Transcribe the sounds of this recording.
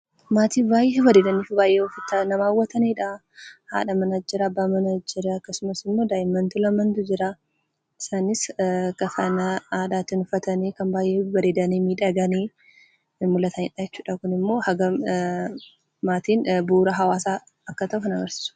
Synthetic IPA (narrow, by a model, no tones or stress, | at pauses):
maːt̪iːbaːjʔewɐd̪ed̪ɐniːfbaːjʔeɔfɪt̪ːɐnɐmaːwːɐt̪ɐneːᶑa | ha̰ːᶑɐmɐnɐd͡ʒɪɾɐɐbːaːmɐnɐd͡ʒɪɾɐɐkːɐsʊmɐsɪmːo̞ːd̪aːjɪmːɐnt̪ulɐmɐnt̪ʊd͡ʒɪɾa | ɪsaːnɪskɐfaːnɐaːd̪aːt̪ːɪnʊfɐt̪ɐneːkɐmbaːjʔewɐdeːd̪ɐneːmiːᶑɐɡɐneː | mʊlːɐt̪ʰɐnɪᶑad͡ʒɛt͡ʃːuːᶑɐkʊnɪmːo̞ːhɐɡɐ | maːt̪iːnbuːɾɐɦɐwaːsa | ɐkːɐt̪ɐʔʊfɐnɐɡɐɾsɪ̥sʊ̥